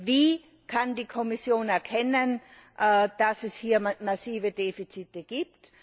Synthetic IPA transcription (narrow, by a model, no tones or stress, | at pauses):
viː | kʰandiːkʰɔmɪsjoːnɛɐkʰɛnənʔd̥asɛshiːɐmasiːvədeːfit͡sitəɡ̥iːp̚t